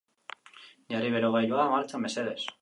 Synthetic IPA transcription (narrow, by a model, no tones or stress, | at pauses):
jariβeɾoɣajʎwaamaɾt͡ʃameseðes